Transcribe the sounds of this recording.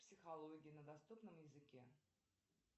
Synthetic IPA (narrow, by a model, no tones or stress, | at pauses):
psʲɪxɐlˠoɡʲɪnəd̪ɐst̪upnəmjɪzɨkʲe